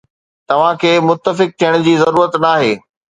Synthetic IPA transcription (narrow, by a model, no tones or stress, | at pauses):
t̪ɐʋ̤ãkʰeːmʊt̪ːəfɪk̚t̪ʰijəɽ̃ʊd͡ʑiːzɐɾuːɾət̪naːɦeː